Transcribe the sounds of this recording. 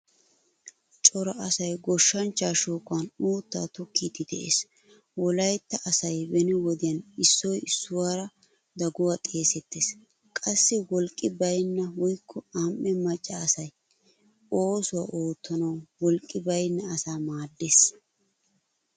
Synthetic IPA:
t͡ʃʼɔɾɐʔsɐjɡɔʃːɐnt͡ʃːaːʃoːkʼʊɐnuːt̪ːa̰ːt̪ɔkʰːiːd̪ɪd̪ɛ̰ʔḛːs | wɔlɐjt̪ːɐʔɐsɐjbɛnɛwɔd̪ɪjɐnɪsːɔjɪsːʊwaːɾɐ | d̪ɐɡʊwaːt̪ʼe̞ːsɛt̪ːeːs | kʼɐsːɪwɔlkʼːɪbɐjnːɐwɔjkʰːɔamʔːɛmɐt͡ʃʼːɐːsɐj | oːsʊwa̰ʔoːt̪ʰːɔnɐwwɔlkʼːɪbɐjnːɐːsaːmaːd̪ːeːs

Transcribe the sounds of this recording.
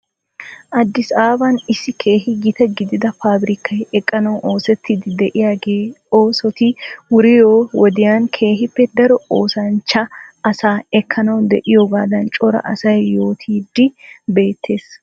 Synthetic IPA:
ʔɐd̪ːɪsaːbɐnɪsːɪkʰe̞ːhɪɡɪt̪ɛɡɪd̪ɪd̪ɐfaːbɾɪkɐjɛkʼːɐnɐwʔoːsɛt̪ʰːiːd̪ɪd̪ɛʔɪjaːɡeːoːsɔt̪ɪwʊɾɪjoːwɔd̪ɪjaːnkʰeːɦɪpːɛd̪ɐɾɔoːsɐnt͡ʃːɐʔɐsaːɛkʰːɐnɐwd̪ɛ̰ʔɪjoːɡaːd̪ɐnt͡ʃʼɔɾɐ̰ʔɐ̰sɐjːo̞ːt̪ʰiːd̪ːɪbe̞ːt̪ʰːe̞ːs

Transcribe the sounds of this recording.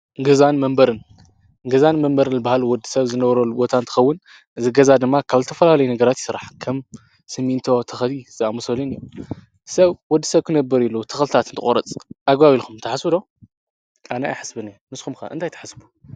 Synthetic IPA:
ɡɨzanmɐmbɐɾɨn | ɡɐzanmɐmbɐɾɨnːɨbahalwɔd̪isɐβzɨnɐβɾɐlːubot̪ʰant̪ʰɨ̥xɐwːʊn | ʔɨzɨɡɐzad̪ɨmːakʰaβzɨt̪ʰɐfɐlalɐjunɐɡɐɾat̪i̥sɨɾaħkʰɐm | sɨmːint̪ʰo̞t̪ʰɐxlizɨʔamɐsɐlinɨjːu | sɐβwɔd̪ːi̥sɐβkʰɨnɐbːɨɾilːut̪ʰɨ̥xlɨt̪ʰat̪ɨnt̪ʰɨ̰kʼoɾɐt͡sʼʔaɡβawilxumt̪ʰɐħasɨd̪o̞ | ʔanajaħɨsbɨnenɨskxumkɐ̰ʔɨnt̪ʰajt̪ʰɐ̥ħasbu̥

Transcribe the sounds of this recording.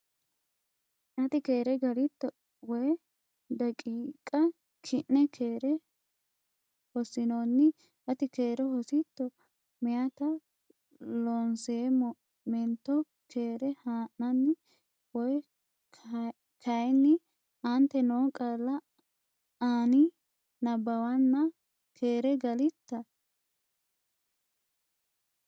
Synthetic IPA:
ʔɐt̪ɪke̞ːɾɛɡɐɾɪt̪ːɔ | wɔjɛ | d̪ɐkʼiːkʼɐ | kʰɪʔːɛkʰeːɾɛ | hɔsɪnonːɪ | ʔɐt̪ɪkeːɾɛhɔsɪt̪ːɔ | mɪjɐt̪ɐ | lɔnse | mɛnt̪ːɔ | kʰeːɾɛhaːʔnɐnːɪ | wɔj | kʰɐjnːɪ | ʔɐnt̪ːɛnoːkʼɐlːɐ | aːnɪ | nɐbɐwɐnːɐ | kʰeːɾɛɡɐlɪt̪ːɐ

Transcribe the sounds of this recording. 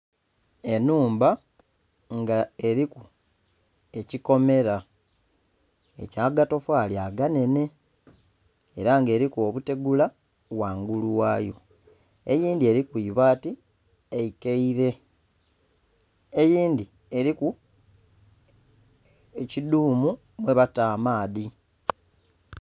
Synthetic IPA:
e̞nuːmba | ŋɡae̞ɾiku | e̞ciko̞me̞ɾa | e̞̰caːɡato̞fwaːljaɡane̞ne̞ | eɾaŋɡe̞ːɾikuo̞βute̞ɡula | waːŋɡuluwaːjo̞̰ | ḛjiːndie̞ɾikuiβaːti | eikeiɾe̞ | ejiːndi | e̞ɾiku | eciduːmu | mweβataːmaːði

